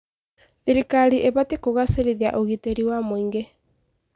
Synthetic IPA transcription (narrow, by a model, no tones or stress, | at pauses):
ðiɾikaɾiʔeβatekoɣaseɾiðia̰ʔoɣiteɾiwamoiŋɡe